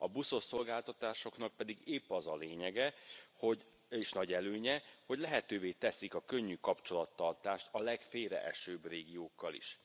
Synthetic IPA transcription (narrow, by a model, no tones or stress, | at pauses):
ɒbuso̞sso̞lɡaːlt̪ɒt̪aːʃo̞kn̪ɒk̚pɛd̪iɡeːpːɒzɒleːɲɛɡɛho̞ɟ | eːʃnɒɟɛløːɲɛho̞ɟlɛɦɛt̪øːveːt̪ɛsikɒkøɲːykɒpt͡ʃo̞lɒt̪ːɒrt̪aːʃt̪ɒlɛkfeːɾɛ̰ʔɛ̰ʃøːbreːɡijoːkːɒlḭʃ